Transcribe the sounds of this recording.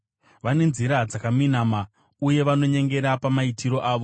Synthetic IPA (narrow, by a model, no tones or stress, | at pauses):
ʋane̞nziɾad͡zakaminaːma | uje̞ʋano̞ɲe̞ŋɡe̞ɾapamaitiɾo̞ʔaːʋo